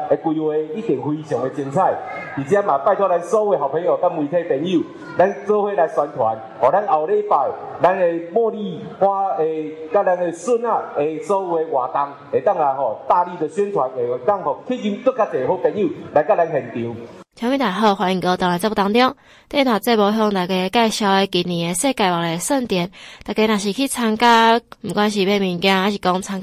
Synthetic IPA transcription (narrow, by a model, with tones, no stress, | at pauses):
e˧kwi˧we˧i˦˥t̪i˨˩˦ŋhwi˧ɕjɔ˨˦ŋe˧t͡ɕjŋt͡sʰa˥˧˩jt̪i˨t͡ɕja˦mã˨˩pa˥˧˨t̪ʰwa˦˥la˧nso˧˦u˧e˧˩ɦa˨˩pʰe˧˦ŋo˨˩ka˦˥mwi˧t̪ʰe˧˨p̪e˧˩ni˥˨ | la˧˦nt͡sə˦hwe˧˩la˧jswa˧nt̪ʰwa̰˨˦n | hɔ˨˩la˦nʔa˨˩wle˧˦fa˨˩jla˦ne˧mwɔ˥˧li˧˨hwa˦e˨˩ka˦˥la˧ne˨˩su˥˧na˧˩e˨sɔ˦u˧e˧ʔwa˨˩t̪a˧ŋ | e˨˩t̪a˥˧ŋla˧jɦɔ˨˩t̪aː˥˧ɾi˥˧˨d̪ə˨ɕɛ˦nt̪ʰwa˨˦ne˨˩t̪a˥˧˨ŋhɔ˨˩kʰi˦ɡi˧kə˦ka˧t͡se˨ho˧˦kɛ˧ni˥˧˨la˧jka˦la˧nɦɛ˨˩nt̪i˨˦wt͡ɕ̪ʰjmĩ˦˧˩t̪a˨˩˨ɦo˧xwa˨˦n˧˨˩ko˧t̪a˨˩ŋla˨˩t͡sa˥˩bɔ˧t̪a˧ŋt̪̬jɔ˥˧˨ŋ | t̪e˥˧˦t̪ʰwa˨˩t͡se˥˧˨bɔ˧ɦjɔ˧ŋt̪a˨˩ke˧ka˥˧jɕja˧e˧ki˨˩nĩ˨e˧se˥˧ka˧˩wa˨˩e˨˧sə˥˧nt̪jɛ˨˧˦nt̪a˨˩ke˧nã˨˩ɕi˨˩kʰi˦˨t͡sʰa˧ŋka˦m̩˨˩kwa˧˦nɕ̬i˨˩be˥˧mi˧nkjã˧a˦ɕi˨˩kɔ˦ŋt͡sʰa˧ŋk